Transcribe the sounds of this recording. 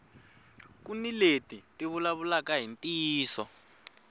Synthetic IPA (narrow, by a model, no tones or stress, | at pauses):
kuniletʼitʼiβulaβulakaɦintʼiːsɔ